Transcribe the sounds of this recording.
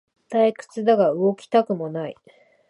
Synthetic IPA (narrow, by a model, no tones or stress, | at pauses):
t̪aikɯ̥t͡sɨd̪aɡaɯ̟ɡo̞kʲi̥t̪akɯ̟mo̞naḭ